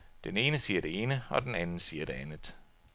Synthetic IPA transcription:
d̥ene̝ːnəsiːɐd̥e̝e̝ːnəɒ̽d̥enænn̩siːɐd̥e̝ænð̩ˠ

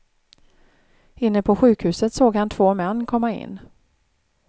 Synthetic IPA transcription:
ɪnːəpʰɔɧʉ̟ːkhʉ̟ːsət̪soːɡhant̪ʰv̥oːmɛnːkʰɔmːaɪ̰nː

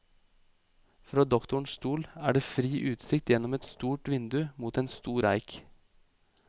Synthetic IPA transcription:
fɾɑːd̪ɔkt̪ʊɳst̪uːlæ̰ːɖeːfɾiːʔʉːt̪sɪk̚t̪jɛnɔmɛt̪st̪uːʈʋɪnd̪ʉmuːt̪eːnst̪uːɾæɪk

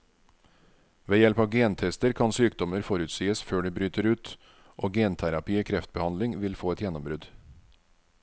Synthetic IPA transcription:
ʋeːjɛlpɑːʋɡeːnt̪ʰɛst̪əɾkʰɑnsyːkd̪ɔməɾfɔɾʉt̪siːəsføːɖiːbɾyːt̪ʰəɾʉːt̪ | ʔoːɡeːnt̪ʰæɾɑpiːoːkʰɾɛft̪̚bəhɑnlɪŋʋɪlfoːɛt̪jɛnːɔmbɾʉd̪

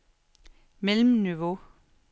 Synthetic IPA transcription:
melmnyʋo

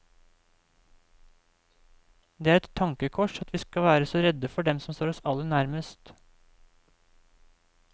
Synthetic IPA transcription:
d̪eːæːɾɛt̪ʰːɑŋkəkʰɔʃɑt̪ʰʋiːskɑʋæːɾəsoːɾɛd̪əfɔɖɛmsɔmst̪oːɾɔsɑlənæɾməst̪

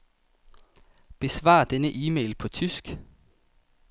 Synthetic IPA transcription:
b̥e̝sʋɑ̰̈ːd̥enəʔiːmeɪlpʰɒ̽t͡sʰysɡ̥

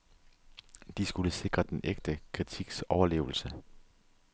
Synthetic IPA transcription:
d̥isɡ̥uləse̝ɡ̥ʁɐd̥enʔeɡ̥̚d̥əkʰʁit͡sʰiɡ̥sɒʊɐle̝̰ːʊl̩sə

